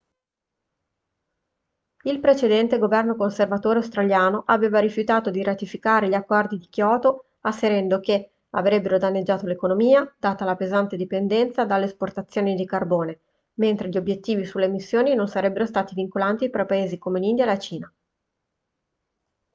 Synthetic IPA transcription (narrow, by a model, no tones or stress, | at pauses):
ilpɾet͡ʃed̪ɛnt̪eɡovɛrnokonservat̪oːɾeawst̪ɾaljaːnoʔaveːvaɾifjut̪aːt̪od̪iɾat̪ifikaːɾeʎakːɔrd̪id̪ikjɔːt̪o | asːeɾɛnd̪ok̟e | avɾɛbːeɾod̪anːed͡ʒːaːt̪olekonomiːad̪̥aːt̪alapezant̪ed̪ipend̪ɛnt̪sad̪alːesport̪at̪sːjoːnid̪ikarboːne | ment̪ɾeʎiobːjet̪ːiːvisulːemisːjoːninonsaɾɛbːeɾost̪aːt̪iviŋkolant̪ifɾapaeːzikomenind̪jaelat͡ʃiːna